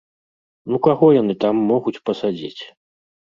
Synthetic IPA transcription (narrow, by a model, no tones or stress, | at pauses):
nukaɣɔjanɨt̪amːɔɣut͡sʲpɐsad͡zʲḭt͡sʲ